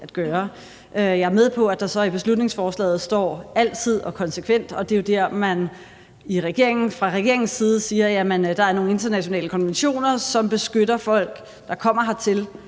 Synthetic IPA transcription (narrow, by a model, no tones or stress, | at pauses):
ʔæd̥ɡ̥ɶːɐ | ʔøjɑ̈æɐmeðˠpʰɒ̽æd̥ɑ̈sɒ̽ib̥e̝slud̥ne̝ŋsfɒːslɛ̰ːð̩ˠsd̥ɒ̰ːæl̰t͡sʰið̰ˠɒ̽kʰɒ̽nsəkʰʋen̰d̥ɒ̽d̥e̝jo̝d̥æɐmæn | iʁɛɡ̥e̝ɐ̰e̝ŋn̩fʁɑ̈ʁɛɡ̥e̝ɐ̰e̝ŋn̩siːð̞̩ˠəsiːɐjæmənd̥ɑ̈æɐno̝ːŋn̩e̝nd̥ɐnæɕo̝nɛ̰ːləkʰɒ̽nʋenɕo̝̰ːnɐsɒ̽mb̥e̝sɡ̥øɾɐfɒ̽l̰ɡ̥ | d̥ɑ̈kʰɒ̽m̰ɐɦɑ̈t͡sʰe̝l